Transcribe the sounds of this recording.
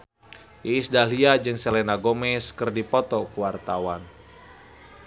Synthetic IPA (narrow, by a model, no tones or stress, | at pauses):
iːsdaliad͡ʒɨŋsɛlɛnaɡomɛskɨrdipɔt̪ɔkuwart̪awan